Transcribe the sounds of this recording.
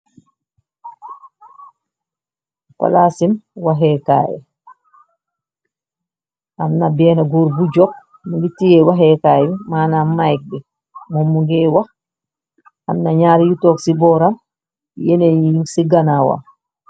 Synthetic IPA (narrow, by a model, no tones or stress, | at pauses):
fa̰lasimwaɦɛka̰ːjɛ̰ | ʔamnabɛːnaɡuɾbud͡ʒɔk̚ | muŋɡitijɛwaɦɛkaːjɛbɛmanamajk̚bɛ | mumːuɡɛwa | amnaɲaːɾijutɔksibɔɾam | jɛnɛjusiɡanawa̰